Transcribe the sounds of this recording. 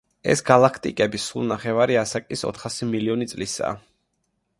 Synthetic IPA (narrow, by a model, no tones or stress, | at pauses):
ɛ̰sɡalˠakʰt̪ʼikʼɛbisṵlˠnaχɛvaɾiasakʼisɔ̰t̪ʰχasimiliɔnit̪sʼlisa̰ː